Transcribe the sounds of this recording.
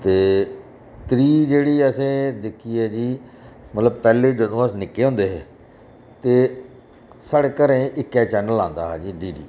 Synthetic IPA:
t̪eː | t̪ɾiːd͡ʒeːɽiːəsẽːd̪ɪkʰːiːɛːd͡ʒiːmət̪ləb̚pɛːleːd͡ʒəd̪õːəsnɪkːeːɦõːnd̪eːɦɛː | t̪eː | saːɽeːkəɾẽːʔɪkːɛːt͡ʃɛːnəlãːnd̪a̰ːɦɛːd͡ʒiːɖiːɖḭː

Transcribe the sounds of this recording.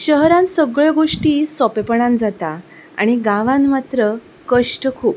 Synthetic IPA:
ɕəɦɾãnsəɡɭɡoʂʈiːsɔpepəɳãnd͡zat̪a | a̰ɽ̃iɡãʋãnmat̪ɾə | kəʂʈəkʰuːp

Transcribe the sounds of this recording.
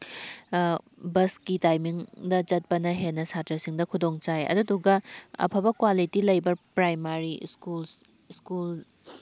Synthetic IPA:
bɐskitajmiŋdɐt͡ʃɐt̚pɐnɐɦenːɐsatɾɐsiŋdɐkʰudoŋt͡ʃajɐ̰duduɡɐɐ̰pʰɐbɐkwalitilɐjbɐpɾajmaɾiskul | skul

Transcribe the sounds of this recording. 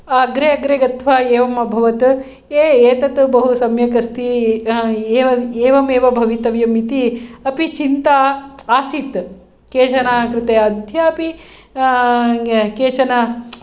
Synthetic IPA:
ɐɐɡɾeɐɡɾeɡɐt̪ʰʋaːeːʋɐmɐbʱɐʋɐt̪ | eːeːt̪ɐt̪bɐɦusɐmjɐkɐst̪i | eːʋɐeːʋɐmeːʋɐbʱɐʋit̪ɐʋjɐmit̪iɐpit͡ʃint̪aːaːsit̪ | keːt͡ʃɐnaːkɾɪt̪eːɐd̪ʱjɐɐpi | keːt͡ʃɐna

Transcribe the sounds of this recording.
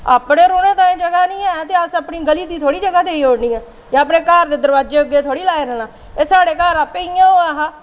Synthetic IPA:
aːpneːɾoːneːt̪ãːẽːd͡ʒəɡaːnĩːɛːt̪eːəsapniːɡəliːd̪iːt̪ʰoːɽiːd͡ʒəɡaːd̪eːiːoːɽniːɛː | jãːəpnẽːkaːɾd̪eːd̪əɾʋaːd͡ʒeːəɡeːt̪ʰoːɽiːlaːeɾəːnãː | eːsaːɽeːkaːɾaːpeːijãːɦoːɛːɦãː

